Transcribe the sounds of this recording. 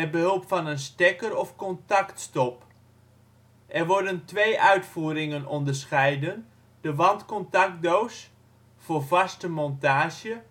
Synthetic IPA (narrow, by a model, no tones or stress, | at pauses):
mɛt̚bəɦɵlˠpfɑnənstɛkərɔfkɔntaktstɔp | ʔɛrʋɔrdəntʋejʔœɥtfuːɾɪŋənɔndərsχɛjdən | dəʋɑntkɔntak̚dows | foːrvɑstəmɔntaːʒjə